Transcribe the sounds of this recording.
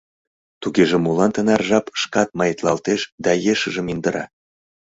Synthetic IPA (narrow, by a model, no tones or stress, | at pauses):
t̪uɣeʒĕmulɑnt̪ənɑrʒɑpʃkɑt̪̚mɑjət̪lɑlt̪eʃd̪ɑjeʃə̆ʒə̆mind̪əɾɑ̰